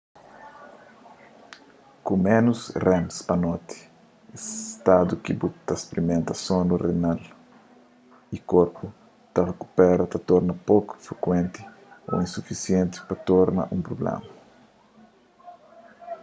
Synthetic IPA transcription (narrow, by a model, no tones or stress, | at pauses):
kumɛ̃nusrɛ̃mspɐnɔt̪i̥ | est̪ad̪ukibut̪ɐspeɾimẽnt̪ɐsõnurenal | ikoɾpu | t̪ɐreku̥pɛɾɐt̪ɐt̪ɔɾnɐpoku̥fɾekwẽnt̪i̥ | o̰ĩnsufisjẽnt̪i̥pɐt̪ɔɾnɐ̰ʔũmpɾoblɛ̰mɐ